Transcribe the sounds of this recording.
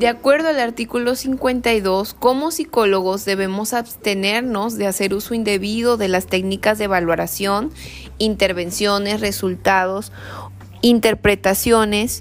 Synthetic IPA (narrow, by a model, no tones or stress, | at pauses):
d̪̥eakwe̞ɾðoalaɾt̪ikulo̞siŋkwe̞nt̪ajðo̞sko̞mo̞siko̞lo̞ɣo̞zðe̞βe̞mo̞saβst̪e̞ne̞ɾno̞zðease̞ɾuso̞ind̪e̞βiðo̞ðe̞last̪e̞knikazðeβalwaɾasjo̞n | int̪e̞ɾβe̞nsjo̞ne̞sre̞sult̪að̞o̞s | int̪e̞ɾpɾe̞t̪asjo̞ne̞s